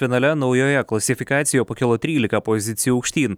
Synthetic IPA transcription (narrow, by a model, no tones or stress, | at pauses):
fʲɪnɐlʲɛnɔʊjɔjɛklˠɐsʲɪfʲɪkɑːt̪sʲɪjopɐkʲɪlˠɔt̪ʲɾʲiːlʲɪkɐpɔzʲɪt̪sʲɪjuʊːkʃʲt̪ʲiːn